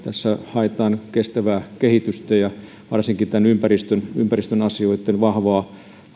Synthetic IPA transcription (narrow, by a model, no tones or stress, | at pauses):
t̪æsːæhɑet̪ɑːnkest̪æʋæːkehit̪yst̪æjɑ | ʋɑrsiŋkit̪ænympærist̪ønympærist̪ønɑsioit̪ːˑenʋɑhʋɑː